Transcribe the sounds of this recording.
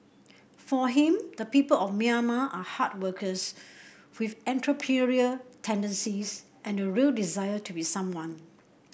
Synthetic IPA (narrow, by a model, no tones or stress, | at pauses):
fɔɦĩmd̪əpipəlɔfmiamaʔahat̚wəkʰəs | wifɛ̃ntɹopʰiɹiətʰɛ̃ndə̃nsis | ʔɛ̃nəɹildizajətʰubisãmwãn